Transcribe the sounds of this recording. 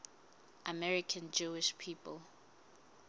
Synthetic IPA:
ʔamɛɹikʰãnd͡ʒuiʃpʰiːpʰəl

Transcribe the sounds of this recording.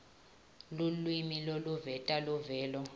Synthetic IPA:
lulwimiloluvɛtʼaluvɛːlɔ

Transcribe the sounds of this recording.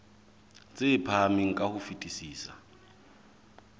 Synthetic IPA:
t͡sʼɪpʰamiŋ̩kʼahʊfitʼisiːsa

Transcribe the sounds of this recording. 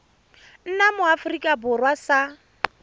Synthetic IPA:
n̩namʊafrikʼabʊrwasa

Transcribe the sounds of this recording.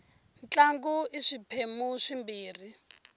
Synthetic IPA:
nt͡ɬaŋɡuiʂipʰemuʂimbiːri

